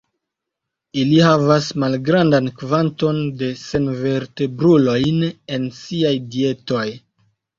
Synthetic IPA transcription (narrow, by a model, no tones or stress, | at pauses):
ilihavasmalɡɾandankvanto̞nde̞se̞nve̞ɾte̞bɾulo̞jne̞nsiajdie̞to̞j